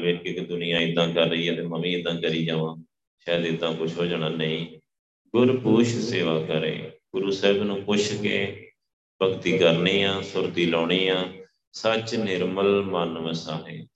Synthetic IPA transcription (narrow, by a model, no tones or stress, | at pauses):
ʋeːɪkd̪ʊnɪjãːɪd̪ːãːkəɾːəiːɛt̪eːməʋĩːɪd̪ːãːkəɾiːd͡ʒaːʋãː | ʃaːd̪ɪd̪ːãːkʊt͡ʃʰɦoːd͡ʒɳaːnəĩː | ɡʊɾpʊʃseːʋaːkəɾḛ̃ːɡʊɾuːsəɦɪbnũːpʊt͡ʃʰkeː | bəɡt̪iːkəɾniːãːsʊɾt̪iːlɔːɽiːãː | sət͡ʃnɪɾməlmənʋəsaːɦeː